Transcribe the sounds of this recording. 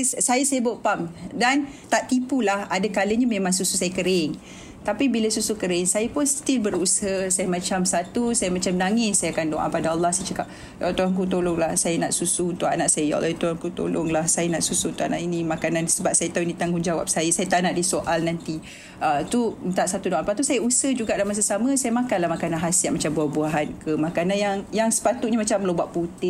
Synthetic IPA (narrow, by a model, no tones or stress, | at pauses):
sajasajəboʔpamdant̪aʔt̪ipulahadakaləɲamẽmãŋsususajəkəɾɪŋ | t̪apibiləsusukəɾɪŋsajapʊnst̪ilbəɾusəhəsajəmãt͡ʃamsat̪usajəmãt͡ʃamnaŋɪssajakandoʔa̰padaɑlːɑhsajt͡ʃəkap̚ | ja̰lat̪oɾaŋk̬ut̪̬olʊŋlahsajanaʔsusuunt̪ʊʔa̰naʔsajaja̰lat̪uhaŋkut̪o̰lʊ̰ŋlahsajanaʔsusunt̪ʊʔana̰ʔinĩmakanãnsəbap̚sajat̪auinit̪aŋɡuŋd͡ʒawa̰p̚sajasajat̪aʔnaʔdisoʔalnant̪i | ət̪uənt̪aʔsat̪udoʔapat̪usajausəhd͡ʒuɡaʔdamas̬asamə̃sajamakanlahmakananɦasiaʔ̚mat͡ʃambuabuaɦankəmakananjaŋjaŋsə̥pat̪uʔɲamat͡ʃamːəlobaʔput̪ɪ